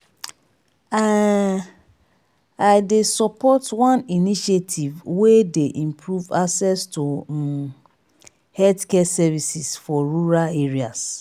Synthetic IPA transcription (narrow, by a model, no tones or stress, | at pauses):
a | aɪdesɔpʰɔtwãniniʃetʰivwedeʔĩmpʰɹuvaksɛstu | hɛtkɛsɛvisisfɔɹuɹaleɹias